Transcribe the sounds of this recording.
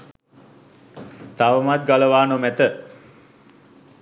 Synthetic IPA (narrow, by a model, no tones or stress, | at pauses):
t̪aʋəmat̪̚ɡaləʋaːnomæt̪ə